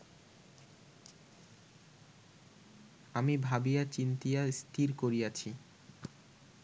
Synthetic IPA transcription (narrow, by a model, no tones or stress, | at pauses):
amibʱabijat͡ɕint̪ijast̪ʰiɾkoɾiat͡ɕʰi